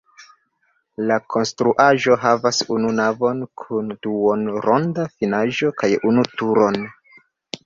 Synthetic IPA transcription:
lakʰo̞nstɾuʔaʒo̞ɦavasununavo̞nkʰund̥uonɾo̞ndafinaʒo̞kajunutuɾo̞n

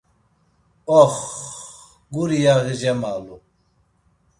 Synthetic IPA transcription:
ɔχ | ɡuɾijaɣiʒɛmalu

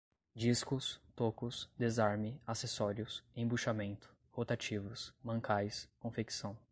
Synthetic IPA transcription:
d͡ʒiskʊst̪okʊsd̪ezaɾmɪasesɔɾiʊsẽbuʃamẽnt̪ʊ̥ | hot̪at͡ʃivʊsmɐ̃ŋkajskõfeksɐ̃w̃

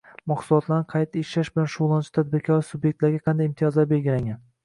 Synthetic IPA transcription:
mɒqsulˠɒt̪laɾnɪqʰɑjt̪ːaeʃlaʃbɪlanʃʊʁlˠant͡ʃʰɪ̥t̪ʰad̪̚bɪɾkʲʰɒɾɪsʊbjek̚ʲt̪laɾɡʲaqʰɑnd̪ajimt̪ʰijɒzlaɾbe̞lɡʲɪlaŋɡʲan

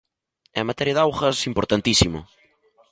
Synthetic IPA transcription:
ɛ̰mat̪ɛɾjɐðawxɐsimpoɾt̪ant̪isimʊ̰

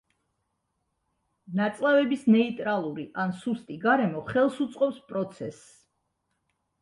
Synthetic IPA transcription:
nat̪sʼlˠavɛbisnɛit̪ʼɾalˠuɾiʔansust̪ʼiɡaɾɛmɔχɛlˠsut̪sʼqʼɔpspʼɾɔt̪sʰɛs

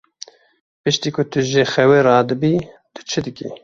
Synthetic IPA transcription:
pɨʃt̪iːkʰʊt̪ɨʒexɛweɾɑːd̪ɨbiː | d̪̥ɨt͡ʃʰɨd̪ɨkḭ

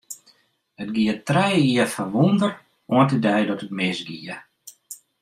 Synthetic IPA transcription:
ətɡiətrɛjiəfaʋundər | uəntədɛjdɔtət̚mɪsɡiə

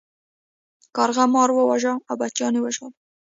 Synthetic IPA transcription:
kɑɾɣamɑɾwəwaʒɑawbat͡ʃɑnewəʒɑ

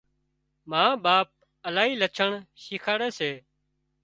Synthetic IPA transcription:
mãːɓaːp̚ | əlaːɦiːlət͡ʃʰəɳʃiːkʰaːɽeːseː

